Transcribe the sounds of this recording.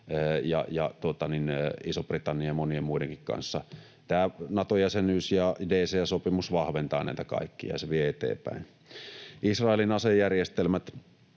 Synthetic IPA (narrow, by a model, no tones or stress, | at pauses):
əjɑ̰jɑ̰t̪uot̪ɑninisoprit̪ɑnːijɑmoniemmuideŋkikkɑ̰nsːɑ | t̪æːnɑt̪ojæsenyːsjɑdeːseæsopimusʋɑhʋent̪ɑenæ̰ˑit̪ækɑ̰ˑikːijɑ̰jɑseʋieet̪ḛːpæ̰ˑin | ʔisrɑˑelinɑsejjærjest̪elmæt̪